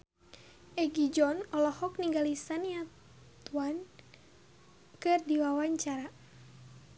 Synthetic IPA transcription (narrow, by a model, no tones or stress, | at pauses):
ɛɡid͡ʒɔnɔlɔhɔk̚niŋɡalisania | t̪uan | kɨrdiwawaɲt͡ʃaɾa